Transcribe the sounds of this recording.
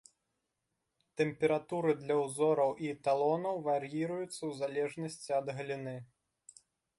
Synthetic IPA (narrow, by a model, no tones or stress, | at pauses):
t̪ɛmpʲɛɾat̪uɾɨd̪lʲɐwzɔɾɐwʔit̪alˠɔnɐwvaɾjiɾɐjut̪sːɐwzalʲɛʐnɐsʲt͡sʲiɐd̪ɣɐlʲinɨ